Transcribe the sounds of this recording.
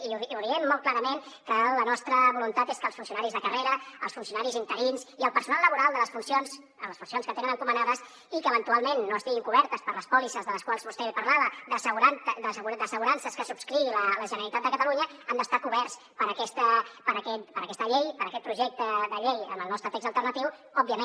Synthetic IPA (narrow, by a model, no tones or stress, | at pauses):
iuðiɛmːɔlˠt̪̚klaɾəmen | kələnɔst̪ɾəβulunt̪at̪eskəlˠsfunsiunaɾizðəkəreɾəə̰lˠsfunsiunaɾizint̪əɾinziəlˠpəɾsunalˠːəβuɾalˠd̪ələsfunsions | ələsfunsionskət̪enənəŋkumənaðəs | ikəβənt̪ualˠmenːoəst̪iɣiŋkuβɛɾt̪əspəɾləspɔlisəlzðələskwalˠzβust̪eβepəɾlaβəd̪əsəɣuɾand̪əsəɣud̪əsəɣuɾansəskəsubskɾiilələʒənəɾəlit̪at̪̚d̪əkət̪əluɲəənd̪əst̪akuβɛrs | pəɾəkɛst̪əpəɾəkɛt̪pəɾəkɛst̪əʎejpəɾəkɛt̪̚pɾuʒɛk̚t̪əd̪əʎejə̰məlˠnɔst̪ɾət̪ekɡzəlˠt̪əɾrnət̪iwɔbiəmẽ